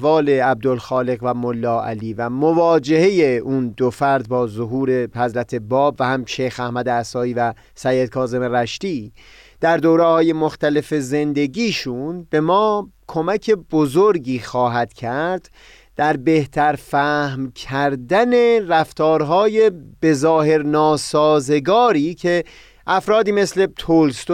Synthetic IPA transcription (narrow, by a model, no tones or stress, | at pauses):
vɒːle̞æb̚d̪olxɒːle̞ɣvæmolːɒːæ̰liːvæmovɒːd͡ʒe̞he̞je̞ʔund̪ofæɾd̪̚bɒːzoɦuːɾe̞hæzɾæt̪ʰe̞bɒːbvæhæmʃejxæhmæd̪eæsɒːiːvæ | sæjːed̪̚kʰɒːze̞meɾæʃt̪iː | d̪̥æɾd̪oːɾehɒːje̞moxt̪æle̞fe̞ze̞nd̪e̞ɡiːʃunbe̞mɒːkʰo̞mækʰe̞bozoɾɟiːxɒːɦæd̪̥cʰæɾd̪̥ | d̪æɾbe̞ht̪ʰæɾfæhmcʰæɾd̪æne̞ræft̪ɒːɾɦɒːje̞b̥e̞zɒːhe̞ɾnɒːsɒːze̞ɡɒːɾiːcʰe̞ | ʔæfɾɒːd̪iːme̞sle̞t̪ʰolst̪